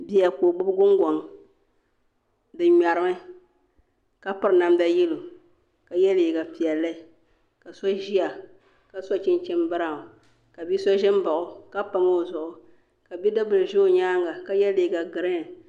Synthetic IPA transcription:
bi˦ja˨ko˨bʊ˦bɡʊ˦ŋɡɔ˨ŋ | dɨ˨ɲa˨ɾɨ˨mɨ˦ | ka˦pɨ˨ɾna˨mda˦ji˦lo˨ | ka˨jɛ˦li˨ɡa˨pi˨ɛ˨lːɨ˦˨ | ka˨sa˦ʒi˦a˨ | ka˨sa˦t͡ʃɪ˦nt͡ʃɛ˦mbɨ˦ɾa˦˨ | ka˨bi˦sa˦ʒɪ˦m˦ba˨ʔʊ˨ka˦pa˨ma˦˨zʊ˨ʔʊ˨ | ka˨bi˦dɨ˦bɨ˨ɾʒo˦˨ɲaː˦ŋɡa˨ka˦jɛ˦li˨ɡa˨ɡɨ˨ɾɨ˦˨

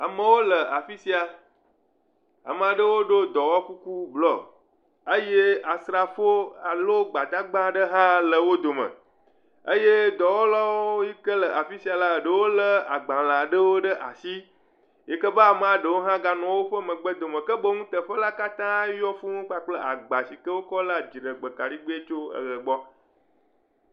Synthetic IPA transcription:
a˨mə̃˦wo˦lə˨a˨fi˦si˦a˨ | a̰˨mə̃˨a˨ɖə˦wo˦ɖo˦d̪ɔ˨wɔ˦ku˦ku˦blɔ˦ | ə˦je˦a˨sɾa˨fo˦a˨lo˦ɡ͡ba˨d̪a˦ɡ͡bã˦ɖə˦ɦã˦lə˨wo˦d̪o˨mə̰̃˨ | ə˦je˦d̪ɔ˨wɔ˦la˦wo˦ji˦kə˦lə˨ʔa˨fi˦si˨˦a˨la˦˨ɖə˨wo˦lə˦a˨ɡ͡bã˨lã˨ɖə˦wo˦ɖə˦ʔa˨si˦ | je˨kə˦ba˦a˨mə̃˦a˨ɖə˨wo˦ɦã˦ɡa˦nɔ̃˨wo˦ɸə˦mə̃˨ɡ͡bə˦d̪o˨mə̃˨kə˦bə˦ŋũ˦t̪ə˨ɸə˦la˦ka˦t̪ã˦jɔ˦fũ˦ŋũ˦k͡pa˦k͡plə˦ʔa˨ɡ͡ba˨si˨kə˦wo˦kɔ˦la˦d͡ʒi˨ɖə˨ɡ͡bə˨ka˨ɖi˦ɡ͡be˦e˦t͡ʃo˦ə̰˨ɣə˨ɡ͡bɔ˦

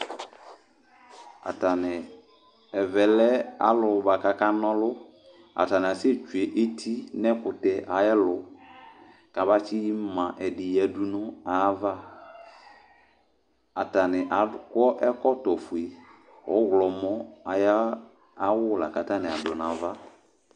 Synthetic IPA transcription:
a̰˨ta˨nɪ˨ | ɛ˨vɛ˨lɛ˦a̰˦lʊ˨ba˨ka˨ka˦nɔ˦lʊ˦ | a̰˨ta˨nɪ˨a˨sɪ˦t͡ʃu˨e˨ʔe˦tʰi˦nɛ˦kʊ˨tɛ˨ʔa˨jɛ˦lʊ˨ | ka˨βa˦t͡ʃɪ˦ji˦mã˨ʔɛ˨dɪ˨jɛ˨du˦nʊ˦a˨˦va˦ | a˨ta˨nɪ˨ʔa˨kɔ˦ʔɛ˦kɔ˦tɔ˨fu˨e˨ | ɔ̰˨˦ɣlɔ˨mɔ˦a˨ja˦ | a˦wʊ˦la˨ka˨ta˦nɪ˨a˨dʊ˨n˨a˨va˦

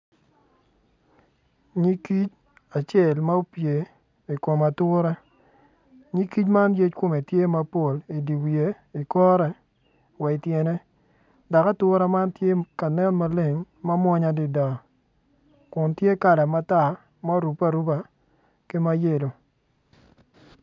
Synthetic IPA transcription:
ɲi˦ki˦t͡ʃ | a˨t͡ʃjɛ˦˨lma˦o˦pje˨ | i˨ko˨ma˨tʊ˦ɾɛ˦ | ɲi˦ki˦t͡ʃma˦nje˦t͡ʃkʊ˦˨me˨tje˦ma˦po˨li˨di˨wje˨˦ | i˨kɔ˦ɾɛ˨ | wɛ˨i˨tjɛ˨nɛ˦ | da˨ka˦tʊ˦ɾɛ˦ma˦ntje˦ka˨nɛ˦nma˦le˨ŋ | ma˦mwɔ˦ɲa˨dɪ˨da˨ | kʊ˨ntje˦ka˨lɛ˨ma˦ta˦˨ | ma˦ɾu˨pa˦ɾu˦ba˨ | ki˦ma˦je˨lo˨

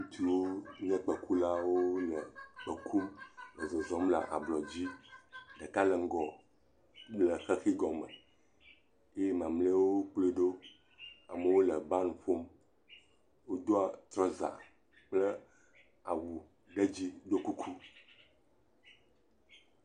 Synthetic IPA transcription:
ũ˦t̪i˨wo˦ɲɛ̃˦k͡pɛ˨ku˦la˦wo˦lə˨k͡pə˨kʰu˦mlə˨zɔ˨zɔ˦mla̰˨ʔa̰˨blɔ˨d͡ʑi˦ɖɛ˨ka˦lɛ˨ŋ̩˦ɡɔ˨ | lə˨xɛ˦xi˦ɡɔ˨mə̰˨ | e˦e˦mã˨mle˦wo˦k͡ple˦ɖo˦ | a˨mə˨wo˦lə˨ba˦n˨fo˦m | wo˦d̪o˦a˨t̪ɾɔ˦za̰˨ | k͡plɛ˦ | a˨wu˨ | ɖe˦d͡ʑi˦ɖo˦ku˦kʰu˦

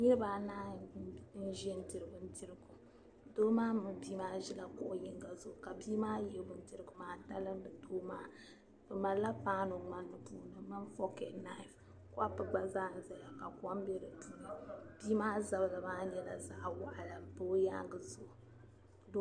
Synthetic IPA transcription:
ɲɛ˦baː˨˦na˦ | n̩˦ʒi˦ɛ˦n̩˦tɨ˨ɾɨ˨bɨ˨n̩˦ti˦ɾɨ˦ɡu˨ | doː˦maː˦mɨ˨biː˦maː˦ʒi˦la˨kʊ˦ʔji˦ŋɡa˨zʊ˨ʔʊ˨ka˨biː˦maː˦jɛ˨bʊ˦n̩˦ti˦ɾɨ˦˨ɡɨ˨maː˦ta˦lɨ˦m˦bɨ˨toː˦maː˦ | b̥ɨ˨ma˨la˦pa˦no˨ŋa˦nːɨ˨puː˦nɨ˨mɨ˦ɱ˦fɔ˦ke˨na˦i˨f | kʷa˦pɨ˨ɡ͡ba˦zaː˦˨n̩˨za˨la˨ka˨kʷa˦m˦bɛ˦ɾɨ˨tu˦˨nɨ˨biː˦maː˦za˨blɨ˨maː˦nɛ˦la̰˨za˦ʔwa˦˨ʔla˨bo˦ja̰˦ɡɨ˨zʊ˨ʔʊ˨ | do˦

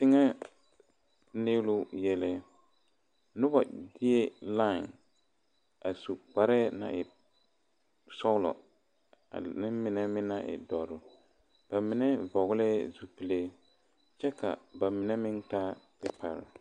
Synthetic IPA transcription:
tɪ˦ŋɛ˦ | ne˦lʊ˦jɛ˦lɛ˦ | nʊ˦ba˨dɪ˦ɛ˦la˦˨ŋ | a˨su˨k͡pa˨ɾɛ˦na̰˨ʔɪ˨ | sɔ˦ɣlɔ̰˨ | a̰˨nɪ˦mɪ˨nɛ˦mɪ̃˦na˨ʔɪ̰˨dɔ˨ɾɪ˨ | b̥a˨mɪ˨nɛ˦vɔ˨ɣlɛ˦zu˨pi˨le˦ | t͡ʃɛ˦ka̰˨ba˨mɪ˨nɛ˦mɪ˦ntaː˦pɪ˦pʰa̰˨ɾɪ̰˨

